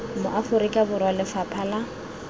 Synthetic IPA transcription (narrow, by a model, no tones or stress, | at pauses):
mʊʔafʊɾikʼabʊrwalɪfapʰala